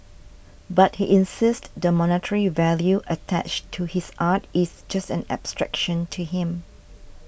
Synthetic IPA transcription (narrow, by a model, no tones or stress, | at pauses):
bat̚hiʔɪ̃nsɪstdəmɔnətʰəɹivɛljuʔətʰæ̰t͡ʃtʰuhisʔatɪsd͡ʒastɛ̃nɛ̰b̥stɹɛ̰kʃə̃ntʰuɦɪ̃m